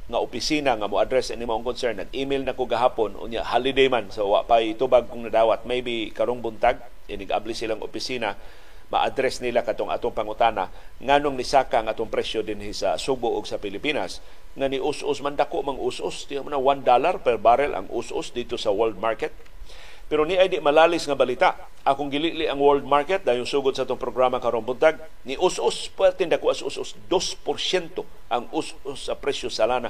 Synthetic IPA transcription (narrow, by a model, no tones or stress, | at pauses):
ŋaʔʊpɪsiːnaŋamoʔad̪ɾɛsɛnɪmaʔoŋkonsɛɹnːaɡ̚ʔimɪlnakoɡaɦaːponʔʊ̰nja̰ʔhalɪd̪ejmansowa̰ʔpajt̪ubaɡ̚kʊŋnad̪aːwat̪̚mejbikaɾoŋbʊnt̪aɡ̚ | ʔɪnɪɡʔa̰blɪsɪlaŋʔʊ̰pɪsiːna | ma̰ʔa̰d̪ɾɛsnilakat̪oŋʔa̰ːt̪oŋpaŋʊt̪aːna | ŋaːnʊŋnɪsaːkaŋʔaːt̪oŋpɾɛsjod̪ɪnhɪsasubʊʔʊɡsapɪlɪpiːnas | ŋanɪʔʊsʔʊsmand̪akoʔmaŋʔusʔʊst̪ɪhaʔmanawand̪alarpɛɾbaɾɛlʔa̰ŋʔʊ̰sʔʊ̰sd̪it̪osawɛld̪̚maɹkɛt̪̚ | pɛɾoniʔajd̪ɪʔmalaːlɪsŋabalit̪aʔ | ʔakʊŋɡɪliʔlɪʔaŋwɛld̪̚maɹkɛt̪̚d̪aːjʊŋsuɡʊd̪̚saʔat̪ʊŋpɾoɡɾamakaɾonbʊnt̪aɡ̚ | nɪʔʊsʔʊspwɛɾt̪ɪnd̪akuʔasʔṵsʔʊsd̪ospoɾsɛnt̪o | ʔaŋʊs | ʊsːapɾɛsjosalaːna